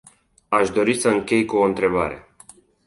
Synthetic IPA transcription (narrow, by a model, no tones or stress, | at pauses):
aʃd̪o̞ɾisəɨŋkʲe̞jkuoɨnt̪ɾe̞ba̰ɾe̞̰